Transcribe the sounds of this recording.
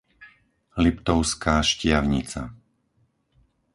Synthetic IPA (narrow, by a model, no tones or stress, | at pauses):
lipt̪ɔʊskaːʃcɪaʊɲit͡sa̰